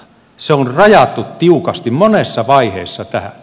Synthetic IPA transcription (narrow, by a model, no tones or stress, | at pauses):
seonrɑjɑt̪ːˑut̪t̪iukɑst̪immonesːɑʋɑihḛːsːɑt̪æhæ̰